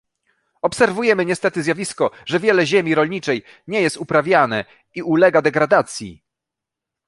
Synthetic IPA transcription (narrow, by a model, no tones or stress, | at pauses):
ɔpsɛɾvujɛmɘɲɛst̪ɛt̪ɘzʲjavʲiskɔʐɛvʲjɛlɛʑɛmʲiɾɔlɲit͡ʂɛj | ɲɛjɛst̪upɾavʲjanɛ | iʔulɛɡad̪ɛɡɾad̪at̪sʲjḭ